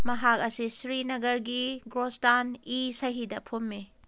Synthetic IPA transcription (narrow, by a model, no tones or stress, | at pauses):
mɐɦak̚ɐsisɾinɐɡɐɾɡiɡɾostanisɐɦidɐpʰumːi